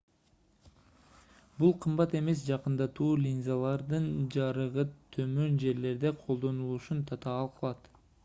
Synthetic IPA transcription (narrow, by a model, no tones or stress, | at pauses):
bulˠqʰɯmbɑt̪e̞me̞s̬d͡ʒɑqɯnd̪ɑt̪uːlʲinzalˠɑɾd̪ɯnd͡ʒɑɾɯʁɯt̪ʰø̞mø̞nd͡ʒe̞ɾle̞ɾd̪e̞qʰo̞lˠd̪o̞nulˠuʃunt̪ʰɑt̪ɑːlˠqʰɑlˠɑt̪